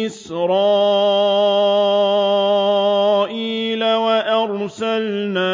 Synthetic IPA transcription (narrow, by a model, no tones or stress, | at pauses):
ɪsɾɑː | ʔiːlawaʔɑɾˤsalnaː